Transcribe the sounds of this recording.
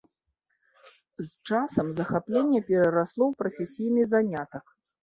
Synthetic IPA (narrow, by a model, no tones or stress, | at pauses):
zt͡ʂasɐmzɐxaplʲenʲːɐpʲɛɾɐɾaslˠɔwpɾɐfʲesʲijnɨzanʲat̪ɐk